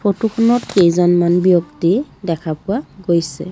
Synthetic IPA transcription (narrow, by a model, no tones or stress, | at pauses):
pʰotukʰɔnɔtkejzɔnmanbijɔktidɛkʰapʊaɡojsɛ̰